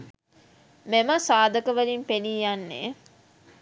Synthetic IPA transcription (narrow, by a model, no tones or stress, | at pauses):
meməsaːd̪əkəʋəlimpeniːjanːḛ